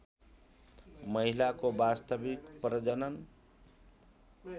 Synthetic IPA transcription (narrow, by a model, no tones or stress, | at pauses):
mʌɦilakobast̪əbikpɾəd͡ʒənən